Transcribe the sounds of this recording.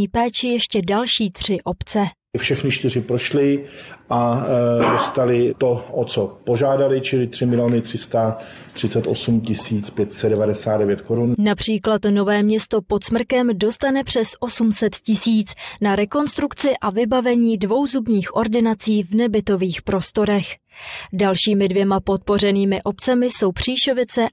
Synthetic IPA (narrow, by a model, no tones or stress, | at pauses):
iːpɛːt͡ʃɪjɛʃcɛdalʃiːt̪r̝̥ɪʔo̞pt͡sɛ | fʃɛxnɪt͡ʃt̪ɪr̝ɪpɾo̞ʃlɪʔadost̪alɪt̪o̞ʔot͡sopoʒaːdalɪt͡ʃɪlɪt̪r̥ɪmɪlɪjoːnɪt̪r̝̥ɪst̪a | t̪r̥ɪt͡sɛt̪ʔo̞sumcɪsiːt͡spjɛt̪sɛdɛvadɛsaːd̪dɛvjɛt̪koɾunnapr̝̥iːklat̪no̞vɛːmɲɛst̪o̞po̞t̪smr̩kɛmdo̞st̪anɛpr̝̥ɛsʔo̞sumsɛt̪cɪsiːt͡snaɾɛko̞nst̪ɾukt͡sɪʔavɪbavɛɲiːdvo̞wzubɲiːxʔo̞ɾdɪnat͡siːvnɛbɪt̪o̞viːxpɾo̞st̪o̞ɾɛx | dalʃiːmɪdvjɛmapo̞t̪̚po̞rɛniːmɪʔo̞p̚t͡sɛmɪso̞wpr̝̥iːʃo̞vɪt͡sɛ